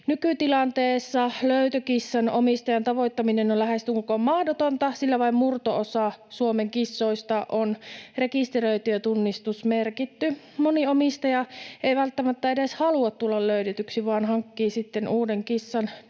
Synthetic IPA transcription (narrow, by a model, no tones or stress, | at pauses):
nykyt̪ilɑnt̪eːsːɑløyt̪økisːɑnomist̪ɑjɑnt̪ɑʋojt̪ːɑminenolæhest̪yŋkukommɑhdot̪ont̪ɑsilːæʋɑimmurt̪oosɑsuomeŋkisːoist̪ɑʔonrekist̪erøit̪yøt̪unːist̪usmerkit̪ːy | moniomist̪ɑjɑeiʋælt̪ːæmæt̪ːæedeshɑluɑt̪t̪ːulːɑlløydet̪yksiʋɑːnhɑŋkːiːsit̪ːenuːdeŋkisːɑn